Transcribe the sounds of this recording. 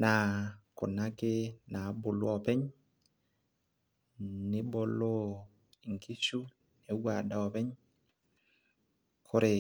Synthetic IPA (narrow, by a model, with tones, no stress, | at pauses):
na˨ko˨nːa˦ke˦na˨˦bo˨lu˦ɔ˨pɛ˦ɲ | ni˦bo˦lo˦ | i˨ŋkʰi˦ʃu˦ | ne˨˦wa˨da˦ɔ˨pɛ˦ɲ | kʰo˦ɾe˨